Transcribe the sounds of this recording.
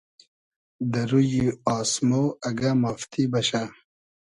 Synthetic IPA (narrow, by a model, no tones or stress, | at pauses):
d̪ɐɾujiaːsmoɐɡamaft̪ʰibɐɕa